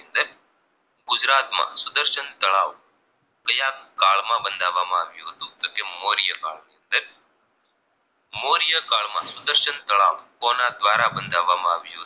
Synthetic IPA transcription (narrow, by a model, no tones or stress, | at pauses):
nd̪e | ɡʊd͡ʒɾaːt̪mã̰sʊd̪əɾʃənt̪əɭaːʋ | kəjakkaːɭmãbənd̪ʱaːʋaːmãaːʋjũɦət̪ũt̪okemoːɾijəka̰ːɭnind̪e | moːɾɪjəkaːɭmã̰sʊd̪əɾʃənt̪əɭa̰ːʋkoːnad̪ʋaːɾabənd̪ʱaːʋaːmãaːʋjuɦo